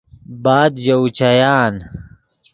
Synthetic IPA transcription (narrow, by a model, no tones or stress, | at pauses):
baːd̪jɐwt͡ɕɐjaːn